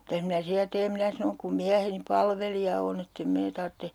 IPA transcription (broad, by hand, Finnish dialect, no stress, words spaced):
mitæs minæ siæ teːm minæ sɑnoŋ kum miæheni pɑlʋelijɑ on etː em meː tɑrtːe